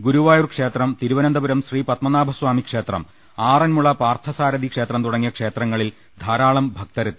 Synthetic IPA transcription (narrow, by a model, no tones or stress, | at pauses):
ɡuɾuʋaːjurkʂe̞ːt̪rɐmt̪iɾuʋɐnɐnd̪ɐbuɾɐmɕriːpɐt̪mɐnaːbʱɐswaːmikʂe̞ːt̪rɐ̰m | aːrɐnmuɭɐpaːrt̪ʰɐsaːɾɐd̪ʱikʂe̞ːt̪rɐmt̪uɽɐŋːijɐkʂe̞ːt̪rɐŋːɐɭil | d̪ʱaːɾaːɭɐmbʱɐk̚t̪ɐɾɐt̪ːi